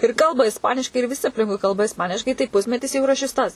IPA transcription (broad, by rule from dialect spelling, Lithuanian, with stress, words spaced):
ɪr ˈkɐlˠbɐ ɪsˈpɑːnʲɪʃkɐɪ ɪr ʋʲɪˈsʲɪ ɐpʲˈlʲɪŋkʊɪ ˈkɐlˠbɐ ɪsˈpɑːnʲɪʃkɐɪ tɐɪ ˈpʊsʲmʲɛtʲɪs jɛʊ iːˈrɐ ʃʲɪs ˈtɐs